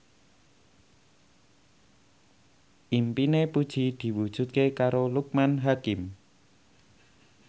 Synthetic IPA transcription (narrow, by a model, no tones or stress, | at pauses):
ʔimpinepud̥ʒ̥i̤d̪̥i̤wud̥ʒ̥ṳt̪̚kekaɾoluk̚manɦakɪm